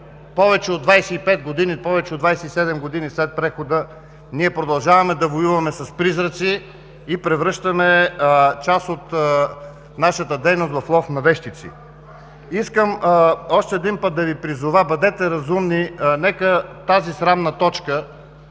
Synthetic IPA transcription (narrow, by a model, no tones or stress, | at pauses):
pɔvɛt͡ʃɛod̪vajsɛipɛt̪̚ɡod̪inipɔvɛt͡ʃɛod̪vajsɛisɛd̪ɛmɡod̪inislɛt̪̚pɾɛxod̪ə | niɛpɾod̪ɐlˠʒavɐmɛd̪ɐvojuvɐmɛsɐspɾizɾət̪siː | pɾɛvɾɤʃt̪ɐmɛt͡ʃasot̪ | naʃət̪əd̪ɛjnost̪vɐflˠɔfnɐvɛʃt̪it̪sḭ | iskəmɔʃt̪ɛːd̪inpət̪̚d̪ɐvipɾizʊvəbɐd̪ɛt̪ɛɾɐzumninɛkət̪azisɾamnət̪ɔt͡ʃkə